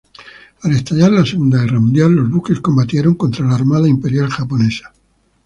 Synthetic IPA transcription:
ale̞st̪aʎaɾlaseɣund̪aɣeramũnd̪jalːo̞zβuke̞sko̞mbat̪jeɾo̞ŋko̞nt̪ɾalaːɾmaðaimpe̞ɾjalxapo̞nesḁ

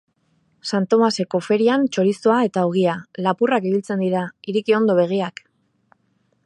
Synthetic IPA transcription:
sant̪o̞mase̞ko̞fe̞ɾiant͡ʃo̞ɾist̪oae̞t̪aoɣ̞ialapurakiβilt͡se̞nd̪iɾaiɾikio̞nd̪o̞β̞e̞ɣ̞iak

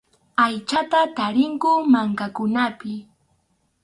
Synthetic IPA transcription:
ajt͡ʃat̪at̪aɾɪŋkʊmaŋkakʊnapɪ

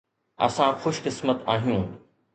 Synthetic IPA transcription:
ɐ̰sãxʊʃkɪsmət̪aːɦijũː

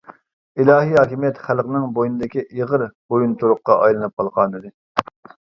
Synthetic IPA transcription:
ilˠɑːɦiɦɑːkʲimjɛt̪χælˠqnɨŋbojnɨd̪ɪkʲiʔiʁəɾbojunt̪ʰuɾˠʊqːɑʔɑjlˠɨnɨp̚qʰɑlˠʁɑnɨd̪ɨ

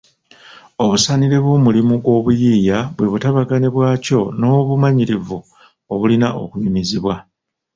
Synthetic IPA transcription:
o̞βusaniɾeβwo̞ːmulimuɡwo̞ːβujijaβwe̞βutaβaɡaneβwaːco̞no̞ːβumaɲiɾivu | oβulinaʔo̞̰kuɲimiziβwa

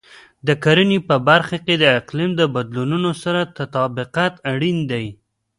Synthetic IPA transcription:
d̪əkaɾənipəbaɾxaked̪əɪqlimd̪əbad̪lununosaɾat̪at̪ɑbɪqat̪aɽind̪aj

